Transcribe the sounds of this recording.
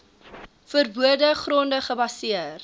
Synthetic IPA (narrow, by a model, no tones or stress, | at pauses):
fərbuədəχrɔndəχəbɐsiər